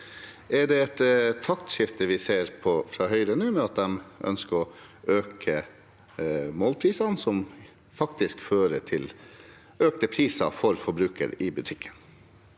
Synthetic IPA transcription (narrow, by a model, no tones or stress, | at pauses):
ɛɖɛɛt̪t̪ʰːɑkt̪ʃɪft̪əʋɪseːɾpʰɔfɾɑːɦœʏɾənʉːmɛɑt̪̚d̪ɛmʔœ̰nskəɾɔøːkʰə | moːlpʰɾiːsɑnsɔm | fɑkt̪ɪskføːɾəʈʰɪl | øːk̚t̪əpʰɾiːsɑ̰fɔɾfɔɾbɾʉːkʰə̰ɾɪbʉt̪ʰɪkʰːə̥n